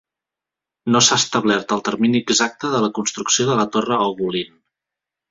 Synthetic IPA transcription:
nosast̪əβlɛɾt̪əlˠt̪əɾminiəɡzak̚t̪əðələkunst̪ɾuksioðələt̪orəoɣulin

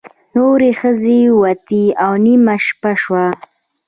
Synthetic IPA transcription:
noɾexəzewat̪iawnimaʃpaʃwa

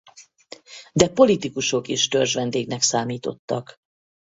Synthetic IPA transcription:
d̪ɛpo̞lit̪ikuʃo̞keːʃt̪ørʒʋɛnd̪eːɡnɛksaːmiːt̪o̞̰t̪ːɒk

